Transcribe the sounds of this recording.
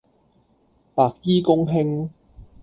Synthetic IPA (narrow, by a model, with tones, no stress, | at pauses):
paː˨k̚jiː˥kʊ˥ŋɦɪ˥ŋ